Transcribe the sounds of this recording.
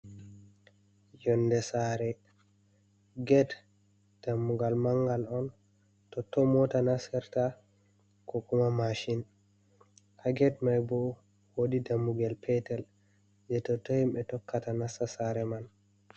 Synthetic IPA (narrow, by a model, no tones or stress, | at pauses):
jɔnːdɛsaɾɛ | ɡɛd | d̥amːuɡalmaŋɡalɔn | tɔtːɔmɔtanasɛɾta | kɔkumamaʃin | ʔaɡɛtmajbɔ | wodidamːuɡalpʰɛtɛl | d͡ʒɛtɔtːɔhimɓɛtɔkːatanasasaɾɛman